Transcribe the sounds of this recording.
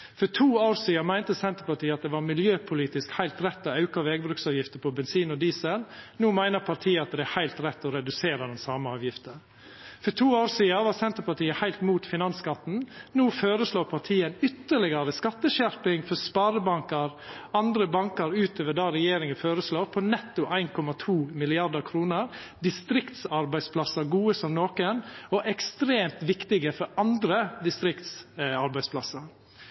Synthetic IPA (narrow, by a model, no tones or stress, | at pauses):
fɔtʰuːoːɾsiːɑmæɪnt̪əsɛnt̪əɾpɑʈiːɑt̪̚d̪ɛʋɑːɾmɪljøːpʰʊliːt̪ɪskhæɪlt̪ɾɛt̪ːɔɑʉkɑʋeːɡ̚bɾʉːksɑːʋjɪft̪əpʰɔbɛnsiːnɔd̪iːsəlnuːmæɪnəɾpʰɑɾʈʰiːəɑt̪̚d̪ɛæhæɪlt̪ɾɛt̪ːɔɾɛd̪ʉseːɾəd̪ɛnsɑːməɑːʋjɪft̪ə | fɔʈʰuːoːɾsiːɑʋɑːsɛnt̪əɾpɑʈiːəhæɪlt̪muːt̪fɪnɑnskɑt̪n̩nuːføːɾəsloːpʰɑɾʈ̪ʰiːənʏt̪ːəɭɪɡəɾəskɑt̪ːəʃæɾpɪŋfɔɾspɑɾəbɑŋkəɾɑnd̪ɾəbɑŋkəɾʉːt̪ʰøːʋəd̪ɑɾɛjeːɾɪŋənføːɾəsloːpʰɔnɛt̪ːʊʔæɪnkʰɔmɑt̪ʰuːmɪlɪɑd̪əɾkʰɾuːnəɾd̪ɪst̪ɾɪkt̪sɑɾbæɪspʰlɑsəɾɡuːəsɔmnoːkənɔʔɛkst̪ɾeːmt̪ʋɪkt̪ɪɡəfɔɾɑnd̪ɾəd̪ɪst̪ɾɪkt̪sɑɾbæɪspʰlɑsəɾ